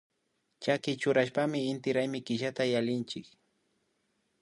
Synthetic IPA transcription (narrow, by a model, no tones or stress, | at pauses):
t͡ʃakɪt͡ʃʊɾaʃpamɪːnt̪ɪɾajmɪkɪʃat̪ajalɪnt͡ʃɪk